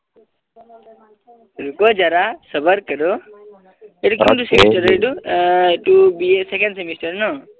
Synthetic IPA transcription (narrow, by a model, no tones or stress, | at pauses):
ɾukod͡ʒaɾasəbəɾkəɾo | eʈukĩɳʈusemisʈəɾeʈuʈubisekẽɳsemisʈəɾno